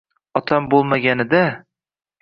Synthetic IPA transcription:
ɒt̪ʰambolˠmaɡʲanɪd̪a

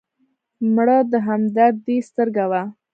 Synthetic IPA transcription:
mɽɑd̪əɦamd̪aɾd̪est̪əɾɡawa

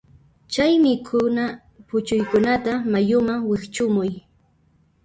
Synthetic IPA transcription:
t͡ʃajmɪkʰʊna | pʊt͡ʃʊjkʊnat̪amajʊmaŋwɪkt͡ʃʊmʊj

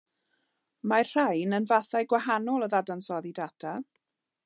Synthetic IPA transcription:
marr̥ajnənvaθajɡwahanɔlˠəðadansɔðidatʰa

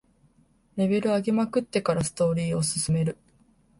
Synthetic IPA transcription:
ɾe̞be̞ɾɯ̟aɡʲemakɯ̟t̪ːe̞kaɾasɨ̥t̪o̞ːɾʲiːo̞sɨ̥sɨme̞ɾɯ̟

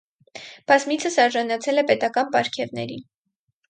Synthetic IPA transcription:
b̥ɑzmit͡sʰəsɑɾʒɑnɑt͡sʰɛlɛpɛt̪ɑkɑnpɑɾkʰɛvnɛ̰ɾi

